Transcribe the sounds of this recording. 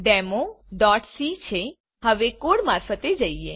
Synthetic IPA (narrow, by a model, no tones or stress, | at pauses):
ɖɛmoɖɔʈsit͡ʃʰe | həʋekoɽmaɾfət̪ed͡ʒəie